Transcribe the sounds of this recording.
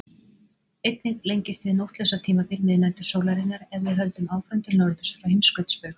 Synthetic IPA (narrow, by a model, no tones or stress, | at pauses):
ejt̪nɪɣlejɲcɪst̪ɪðnowht̪lœsat̪ʰiːmapɪɾnɪðnɛnt̪ʏɾ̥sowlaɾɪnaɾɛððɪɦœlt̪ʏmaːwkvœnt̪ɪlnɔɾðʏ̥sfɾawhɪmskœt̪spœx